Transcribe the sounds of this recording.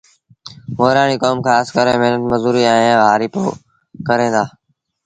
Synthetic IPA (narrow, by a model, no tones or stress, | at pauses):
moːɾaːɳ̃iːkoːmkʰãːskəɾẽːməɦnət̪məzuːɾiːaẽʋaːɾiːpo̰ː | kəɾẽːd̪aː